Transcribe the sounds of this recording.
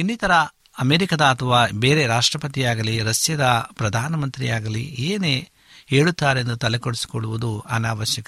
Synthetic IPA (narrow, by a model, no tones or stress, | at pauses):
inːit̪ɐɾɐ | ɐmeːɾikɐd̪ɐːt̪ʰɐʋaːbeːɾe̞ɾaːʂʈɾɐpɐt̪̬ijaːɡɐliɾɐsjɐd̪ɐpɾɐd̪ʱaːnɐmɐnt̪ɾijaːɡɐlḭeːne | ɦeːɭut̪ːaːɾe̞nd̪ut̪ɐlekoɽisi̥koɭːuʋud̪uanaːʋɐʃjɐkɐ